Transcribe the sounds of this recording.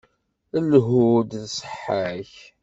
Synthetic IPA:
əlɦud̪θsˤə̥ħːaç

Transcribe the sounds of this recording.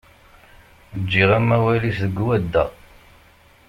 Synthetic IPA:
əd͡ʒːiʁæmːæwæliθðəɡwæd̪ːæ̰

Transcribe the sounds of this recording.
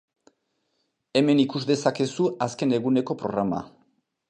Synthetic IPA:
e̞me̞nikuzdðe̞sake̞suaske̞ne̞ɣ̞une̞ko̞pɾo̞̰ɣɾama̰

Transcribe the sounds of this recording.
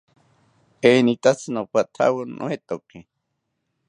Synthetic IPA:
enit̪at͡sʰɨnopat̪ʰa̰wɨnʔo̰het̪oke

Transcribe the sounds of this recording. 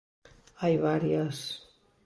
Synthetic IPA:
ajβaɾiəs

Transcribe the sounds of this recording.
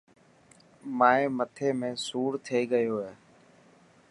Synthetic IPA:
maːẽːmət̪ʰeːmẽːsuːɾt̪ʰeːɠəjoːɦeː

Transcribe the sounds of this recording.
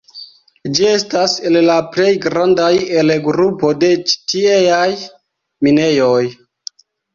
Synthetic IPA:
d͡ʒie̞stasellaple̞jɡɾandajelɡɾupo̞de̞t͡ʃi̥tiejaj | mine̞jo̞j

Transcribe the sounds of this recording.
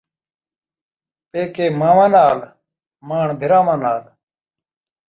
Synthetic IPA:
peːkeːmaːʋãːnaːl | maːɳbʱɪɾaːmãːnaːl

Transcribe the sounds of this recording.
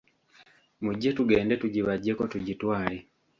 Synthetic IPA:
muɟːe̞tuɡe̞ːnde̞tuɟiβaɟːeko̞tuɟitwaːle

